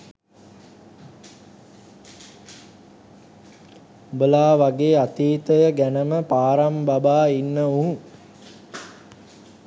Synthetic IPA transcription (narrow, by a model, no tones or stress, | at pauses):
bəlaːʋaɡeːat̪iːt̪əjəɡænəməpaːɾambabaːinːəuŋ